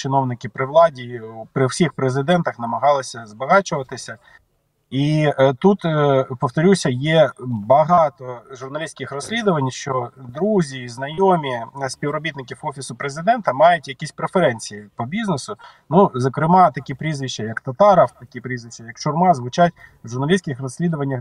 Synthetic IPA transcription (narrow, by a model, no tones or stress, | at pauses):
t͡ʃɪnɔwnɪkʲɪpɾɪʋlˠɑdʲiwpɾɪwsʲixpɾezɪd̪ɛnt̪ɐxnɐmɐɦɑlˠɪsʲɐzbɐɦɑt͡ʃʊʋɐt̪ɪsʲɐ | it̪ut̪pɔft̪ɔɾʲusʲɐjɛbɐɦɑt̪ɔʒʊrnɐlʲisʲkʲɪxrɔsʲlʲid̪ʊʋɐnʲʃt͡ʃɔd̪ɾuzʲiznɐjomʲisʲpʲiwɾɔbʲit̪nɪkʲiwɔfʲisʊpɾezɪd̪ɛnt̪ɐmɑjʊtʲjɐkʲisʲpɾefeɾɛnʲt͡sʲijipɔbʲiznesʊ | nuzɐkɾɪmɑt̪ɐkʲipɾʲizʋʲiʃt͡ʃɐjɐkt̪ɐt̪ɑɾɐwt̪ɐkʲipɾʲizʋʲiʃt͡ʃːɐjɐkt͡ʃʊrmɑzʋʊt͡ʃatʲwʒʊrnɐlʲisʲkɪxrɔsʲlʲid̪ʊʋɐnʲːɐx